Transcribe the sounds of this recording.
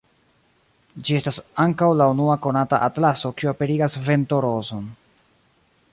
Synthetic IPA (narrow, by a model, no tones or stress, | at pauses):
d͡ʒie̞stasaŋkawlaunuako̞nataʔatlaso̞kioape̞ɾiɡasve̞nto̞ɾo̞zo̞n